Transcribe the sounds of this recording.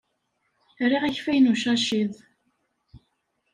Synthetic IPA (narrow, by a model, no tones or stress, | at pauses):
riʁæçfæjnuʃæʃið